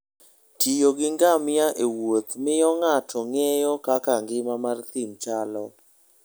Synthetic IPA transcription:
tʰijoɡɪŋɡamɪjaʔewot̪mɪjɔŋatʰɔŋɛjɔkakaŋɡɪmamart̪imt͡ʃalɔ

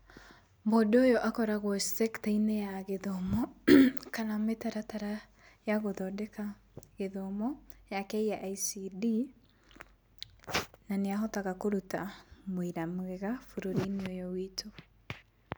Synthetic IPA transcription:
modoːjɔʔakɔɾaɣwɔssɛktainejaɣeðɔmɔkanametaɾataɾa | jaɣoðɔdɛka | ɣeðɔmɔjakɛijaʔaisidi | naneaɦɔtaɣakoɾutamwiɾamɣɛɣafuɾoɾineojɔwitʰo

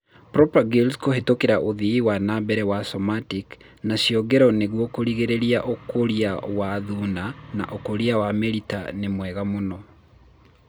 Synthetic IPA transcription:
pɾɔpaɡilskohetokeɾaʔoðiiwanabɛɾɛwasɔmatik | naʃjɔɡɛɾɔneɣwɔkoɾiɣeɾeɾiaʔokʰoɾiawaðuːnana̰ʔokoɾiawameɾitanemwɛɣamonɔ

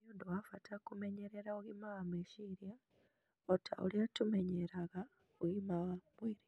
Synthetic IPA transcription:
ondowafatʰakumeɲeɾeɾauimawameʃiɾja | otʰa̰ʔo̰ljatume̞ɲeɾaɣa | uɣimawamwiɾi

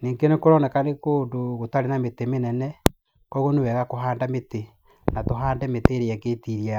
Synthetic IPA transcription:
niːŋɡenekoɾɔnɛkanekoːndoɣotaɾenametemenɛnɛ | kɔɣonewɛɣakoɦaːndamete | natoɦaːndɛmeteːɾeɛɡeːtiɾia

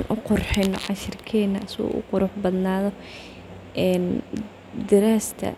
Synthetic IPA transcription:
nʔʊqʊrħɪnːɔ̰ʕɑʃɪrkʰɛːnːɐsɪɣṵːʔʊ̰qʊɾʊħbɐd̪naːðɔ | ʔɛːn | d̪ɪɾaːst̪ʰɐ̰

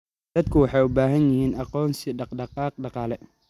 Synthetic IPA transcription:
d̪̥ɐd̪kʰʊwɑħɑjʊbaːɦɐnjɪhiːnɑqɔːnsiɖɑqɖɑqɑːq̚ɖɑqɑːlɛ

